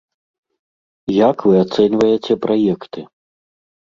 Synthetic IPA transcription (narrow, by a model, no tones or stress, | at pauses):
jakvɨat̪sɛnʲvɐjet͡sʲɛpɾʔajɛkt̪ɨ